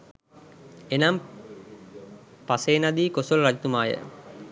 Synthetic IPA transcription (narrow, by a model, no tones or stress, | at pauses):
enam | paseːnad̪iːkosolrad͡ʑit̪umaːjə̰